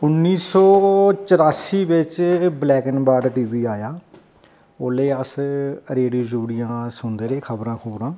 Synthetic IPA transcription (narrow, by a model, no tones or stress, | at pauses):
ʊnːiːsɔːt͡ʃəɾaːsiːʋɪt͡ʃblɛːkənbaːɖʈiːʋiːaːjaː | oːleːəsɾeːɖioːd͡ʒuːɽɪjãːsʊnd̪eːɾeːkʰəbɾãːkʰoːɾãː